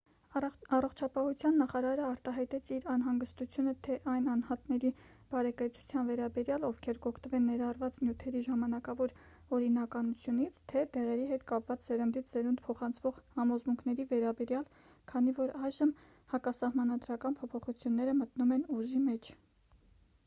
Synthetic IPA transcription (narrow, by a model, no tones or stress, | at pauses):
ɑrɔχt͡ʃʰɑpɑhut͡sʰjɑnːɑχɑɾɑɾəɑɾt̪ɑɦɑjt̪ɛt͡sʰiɾɑnɦɑŋɡəst̪ut͡sʰjunət̪ʰɛʔɑjnɑnhɑt̪nɛɾi | b̥ɑɾɛkəɾt͡sʰu̥t͡sʰjɑnvɛɾɑbɛɾjɑlɔvkʰɛɾkɔkʰt̪əvɛnːɛɾɑrvɑt͡snjut̪ʰɛɾiʒɑmɑnɑkɑvɔɾ | ɔɾinɑkɑnut͡sʰjunit͡sʰt̪ʰɛd̪ɛʁɛɾiɦɛt̪kɑpvɑt͡szɛɾənd̪it̪ʰzɛɾund̪pʰɔχɑnt͡sʰv̥ɔʁhɑmɔzmuŋkʰnɛɾivɛɾɑbɛɾjɑl | kʰɑnivɔɾɑjʒəm | hɑkɑsɑhmɑnɑd̪ɾɑkɑnpʰɔpʰɔχut͡sʰjunːɛɾəmət̪numɛnuʒimɛt͡ʃʰ